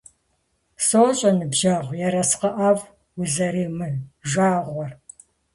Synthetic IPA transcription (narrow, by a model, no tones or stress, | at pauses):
soːɕʼɐnɨbʒɐʁʷjɛɾɐsqɐʔaːv | wizɐɾiːmɨʒʷaːʁʷɔr